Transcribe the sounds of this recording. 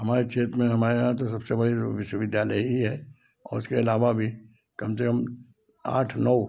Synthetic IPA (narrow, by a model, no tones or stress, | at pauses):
ɦɐmaːɾet͡ʃʰeːt̪mẽɦɐmaːɾeɦãt̪os̬ɐbsebɐɽiʋɪʃwəʋɪd̪jaːləiɦiɦɛː | ɔ̰ːɾʊskeɪlaːʋabʱi | kɐmsekəm | a̰ːʈʰnɔː